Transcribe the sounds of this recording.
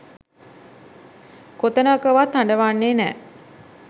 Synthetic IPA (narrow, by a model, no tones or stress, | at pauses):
kot̪ənəːkəʋat̪haɳɖəʋanːeːnɛ̰ː